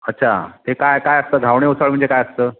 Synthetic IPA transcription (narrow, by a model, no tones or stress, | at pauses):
ətːɕʰa̰t̪ekajkajəst̪əːɡ̪ʱaʋɳeusəɭm̤əɳd͡zd͡ʑekajəst̪əː